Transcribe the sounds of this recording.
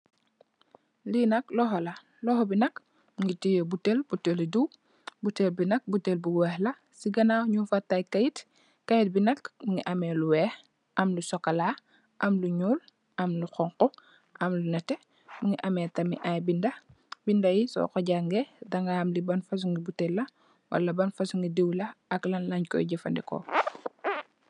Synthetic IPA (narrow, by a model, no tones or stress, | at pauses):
linɐklɔxɔlɐ | lɔxɔbinɐk | muŋɡitijobutelb̥utːeliduw | butːelbinɐk̚butːelbuwɛːhlɐ | siɡɐnawɲufɐtːajkɐjit | kɐjt̚binɐkmuŋiʔɐmɛːluwɛːh | ʔɐmlusɔkːɐla | ʔɐmluɲuːl | ʔɐmluxɔŋqɔ | ʔɐmlunɐtɛ | muŋiʔɐmɛtɐmḭʔajbindɐ | bindɐjisɔ̰kɔɟaŋɡɛdɐŋɡaːmlibɐnfɐs̬uŋɡibutelːɐ | wɐ̰lɐbɐnfɐsuŋɡidewlɐklɐnlɐɲkɔ̰jɟɐfɐ̰ndɛ̰kɔ̰